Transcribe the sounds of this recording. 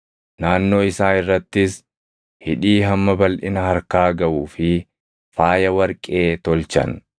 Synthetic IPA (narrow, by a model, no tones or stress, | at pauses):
naːnːo̞ːɪsaːɪrːɐt̪ːɪs | hɪᶑiːɦɐmːɐbɐlʔɪnɐhɐɾkaːɡɐʔuːfɪ | faːjɐwɐɾkʼe̞ːt̪ɔlt͡ʃɐ̰n